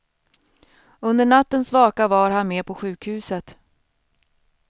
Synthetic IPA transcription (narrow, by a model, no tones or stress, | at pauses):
ɵnd̪əɳat̪ːənsvɑːkavaɾhanmeːpʰɔɧʉ̟ːkhʉ̟ːsət̪